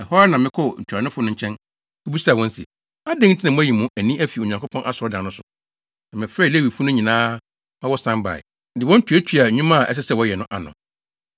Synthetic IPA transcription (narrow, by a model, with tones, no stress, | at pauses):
ɛ˨hɔ˦a˦nã˨mɪ̃˦kʰɔ˦ɲ̩˨t͡ɕʰᶣɾa˨nɪ̃˦fʊ˦nʊ̃˦ɲ̩˨t͡ɕʰɛ̃˦n | kʰu˦bi˦sa˨wɔ̃˦n˦sɛ̰˨ | a˦dɪ̃˦ŋn̩˦tʰɪ˦nã˨mʊ̃˦æ˦ji˨mʊ̃˦ʔæ˨nĩ˦æ˦fi˨o˨ɲã˨kʰo˦pʰɔ̃˦nʔa˦˨sɾɔ˦dã˨nʊ̃˦sʊ˨ | nã˨mɪ̃˨fɾɛ˦˨le˦wi˨fʊ˦nʊ̃˦ɲĩ˨nãː˦ | a˦wɔ˦sã˦mba̰˨ɪ̰˨ | dɪ˨wɔ̃˦n̩˦tʰᶣæ˦tʰɥa˨ɲᶣũ˦mã˦a˨ʔɛ̰˦s̬ɛ˦sɛ˨wɔ˨˦jɛ˨nʊ̃˦ʔa˨nʊ̰̃˨